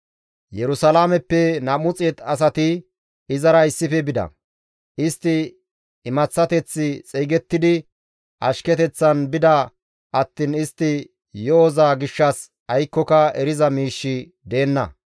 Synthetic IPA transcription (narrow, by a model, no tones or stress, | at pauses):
jɛɾʊsɐlaːmɛpːɛnɐmʊt͡sʼɛt̪ɐs̬ɐt̪ɪ | ɪzɐɾɐɪsːɪfɛbɪd̪ɐ̰ | ʔɪst̪ːɪ | ɪmɐt͡sːɐt̪ɛt͡sːɪt͡sʼɛjɡɛt̪ːɪd̪ɪ | ʔɐ̰ʃkɛt̪ɛt͡sːɐnbɪd̪ɐ | ɐt̪ːɪnɪst̪ːɪ | joːzaːɡɪʃːɐs | ɐjkːɔkɐɛɾɪzɐmiːʃːɪ | d̪e̞ːnːɐ̰